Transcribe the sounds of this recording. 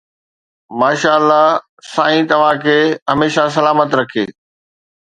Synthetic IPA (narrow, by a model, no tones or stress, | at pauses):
maːʃaːəlːa | sãːĩt̪ɐʋ̤ãkʰeːɦɐmeːʃasɐlaːmət̪ɾɐkʰḛː